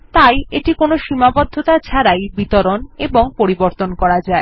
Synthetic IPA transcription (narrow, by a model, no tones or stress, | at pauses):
t̪ajeʈikonoʃimabɔd̪ʱːot̪at͡ɕʰaɾajbit̪oɾoneboŋpoɾiboɾt̪onkɔɾad͡ʑae